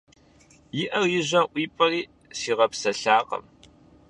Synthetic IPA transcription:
jɪʔɐrjɪʑʷɐʔʷiːpʼɐriː | siːʁɐpsɐɬaːqɐ̰m

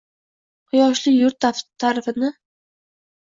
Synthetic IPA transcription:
qʰʊjɒʃlɪjʊɾt̪ʰːat̪ʰːaɾɪfɪnɪ

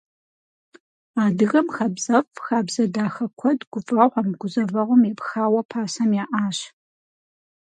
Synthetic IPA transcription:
aːdɨɣɐmxɐbz̥ɐfʼxaːbzɐdaːxɐkʷʰɔdɡʷʊfʼɐʁʷɐmɡʷʊzɐvɐʁʷɔmjepxaːwɐpʰaːsɐmjaːʔaːɕ

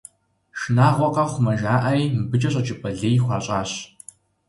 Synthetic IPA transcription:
ʃnaːʁʷɔqɐχʷʊmɐʒaːʔɐjmbɨt͡ʃʼɐɕʼɐt͡ʃʼɪpʼɐɮeːjχʷɑːɕʼaːɕ

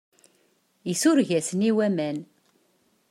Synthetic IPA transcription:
isʊɾʝæsniwæmæn

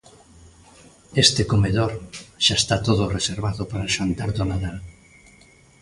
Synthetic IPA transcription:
est̪ekomeðoɾʃaest̪at̪oðʊreseɾβaðopaɾaʃant̪aɾðonaðal

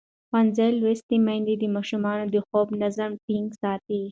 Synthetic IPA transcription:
xanzalwest̪imãnd̪ed̪əmɑʃumɑnod̪əxobnazamʈiŋɡsɑt̪i

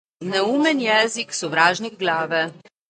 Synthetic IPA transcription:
nɛuːmɛnjɛːziksɔʋɾaːʒniɡɡlaːʋɛ

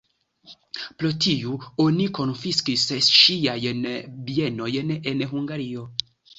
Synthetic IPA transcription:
pɾotʰiuoniko̞nfiskisʃiajnbie̞no̞jne̞nɦuŋɡaɾio̞

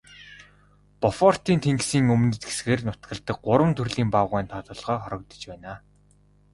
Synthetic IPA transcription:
pɔfɔr̥t̪iːnt̪ʰeŋɡsiːŋɵmnɘ̆t̪ɡe̥sɡeːrnʊt̪ɡə̆ɮt̪ə̆k̚ɢʊɾwə̆mt̪ʰɵrɮiːmpaʁæːnt̪ʰɔt̪ɞ̆ɮʁœːχɔɾɞ̆k̚t̪ɞ̥̆t͡ɕpæːnaː

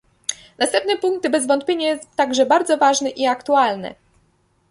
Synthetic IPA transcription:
nast̪ɛmpnɛpuŋk̚t̪bɛzvɔnt̪̚pʲjeɲajɛst̪t̪ːaɡʐɛbaɾd̪zɔvaʐnɛʔiakt̪ualnɛ̰

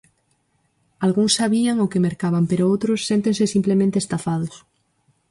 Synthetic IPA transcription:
alɣuŋsːaβiaŋokemeɾkaβampeɾoowt̪ɾosːent̪ensesimplemẽnt̪eːst̪afað̞os

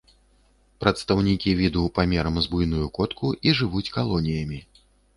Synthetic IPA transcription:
pɾɐt̪st̪ɐwnʲikʲivʲid̪uwpamʲɛɾɐmzbujnujukɔt̪kʰuʔiʐɨvut͡sʲkalˠɔnʲijɐmʲi

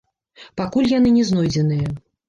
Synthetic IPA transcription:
pakulʲjan̪ɨnʲɛznɔjd͡zʲɛn̪ɨjɐ

